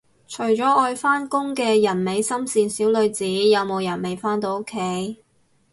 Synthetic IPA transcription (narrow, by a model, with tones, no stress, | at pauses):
t͡ʃʰɵ˨˩ɥt͡ʃɔː˨˥ɔː˧jfaː˥nkʊ˥ŋkɛː˧jɐ˨˩nme˨˧jsɐ˥msiː˨˧nsiː˨˥wlɵ˨˧ɥt͡siː˨˥jɐ˨˧wmo˨˧wjɐ˨˩nme˨˧jfaː˥nt̪̬o˨˧wʊ˥kʰːe˨˥j